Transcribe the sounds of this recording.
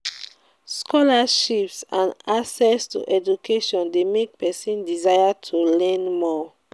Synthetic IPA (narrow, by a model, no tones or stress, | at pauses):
skɔlaʃipsãnasɛstṵʔɛd͡ʒukʰeʃɔ̃ndemek̚pɛsĩndizajatʰulɛ̃nmɔ